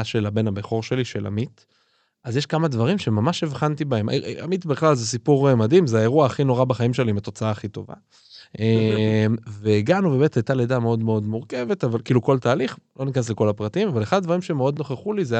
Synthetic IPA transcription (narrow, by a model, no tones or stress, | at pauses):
ʃe̞labe̞nabeχo̞ʁʃe̞liʃe̞lʔa̰mit | ʔazjeʃkamad̪vaʁimʃemamaʃevχant̪ibae̞ma̰mit̪beχlalzesipuʁemadimzeaeʁuaːχino̞ʁabaχaimʃelimat̪o̞t͡saaːχit̪o̞̰va̰ | emveːɡanube̞metajt̪aledame̞o̞d̪meo̞d̪muʁke̞ve̞t̪avalkiːluko̞lt̪aːliχlo̞nikanesleko̞lapʁat̪imavaleχad̪d̪vaʁimʃemeo̞d̪no̞χeχulize